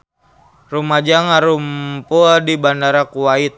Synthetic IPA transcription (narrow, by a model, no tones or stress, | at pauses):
rumad͡ʒaŋaɾumpuadibandaɾakuwait̪̚